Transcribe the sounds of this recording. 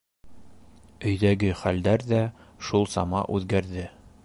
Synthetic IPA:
ɵ̆jðæɡɘχæld̪æɾðæʃulˠsɑmɑ̰ʔʉðɡæɾðɘ

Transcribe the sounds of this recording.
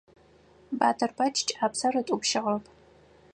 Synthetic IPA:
baːtʰɐrbʰɐt͡ʃʰʼt͡ʃʼaːpsɐrɨtʼupʃɪʁɐpʰʼ

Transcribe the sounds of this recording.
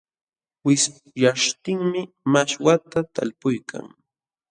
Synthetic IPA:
wɪs | jaʂt̪ɪŋmɪ | maʃwat̪at̪a̰lpʊjkʰa̰ŋ

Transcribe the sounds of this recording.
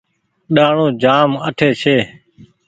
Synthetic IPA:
ɗaːɳõːd͡ʒaːməʈʰeːt͡ʃʰeː

